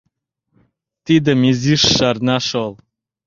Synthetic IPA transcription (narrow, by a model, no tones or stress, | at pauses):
t̪id̪əmiziʂːarnaʂolˠ